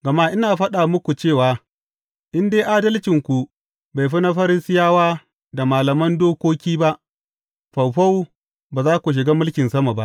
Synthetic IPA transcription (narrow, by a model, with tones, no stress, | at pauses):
ɡɐ˨ma˦ʔɪ˦naː˨ɸɐ˦ɗaː˨mʊ˦kʷu˨t͡ʃeː˦˨waː˨ | ʔɪ˦ndeː˦ʔaː˦dɐ˦lt͡ʃɪ˨ŋkʷu˨ | ba˨jɸɪ˦na˦ɸɐ˦ɾɪ˦sɪ˦jaː˦waː˦ | da˨maː˨lɐ˨mɐ˦ndoː˦kʷoː˦kʲiː˦ba˦ʔ | ɸa˨wɸa˦w | baː˨zaː˦kʷu˨ʃ̬ɪ˨ɡaː˦mʊ˦lkʲɪ˨nsɐ˦ma˨ba˦ʔ